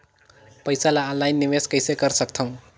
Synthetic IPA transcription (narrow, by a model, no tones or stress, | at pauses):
pəjsalaəlːajnːiʋeskəjsekəɾsəkt̪ʰʌũ